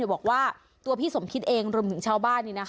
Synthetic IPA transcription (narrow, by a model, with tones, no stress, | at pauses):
bɔː˨˩k̚waː˥˩ | t̪u˧ɐpʰiː˥˩so˩˦mkʰi˦˥t̪̚ʔeː˧ŋɾu˧əmt̪ʰɯ˩˦ŋt͡ɕʰaː˥˩wbaː˥˩nːiː˥˩na˦˥k